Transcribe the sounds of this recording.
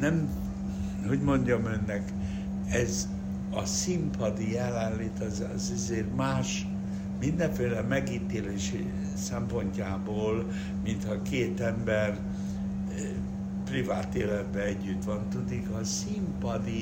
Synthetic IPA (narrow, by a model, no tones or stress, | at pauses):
nɛm | ho̞ɟmo̞ɲɟɒmønːɛk | ɛz | ɒ̰simpʰɒd̪ijɛlanleːt̪ɒz | zɛzeːrmaːʃ | mind̪ɛɱfeːlɛmɛɡiːt̪eːleːʃḭ | sɛmpo̞ɲcaːboːl | mint̪hɒkeːt̪ɛmbɛr | privaːt̪eːlɛd̪bɛɛɟːyt̪ʋɒnt̪ud̪ikɒsimpɒd̪i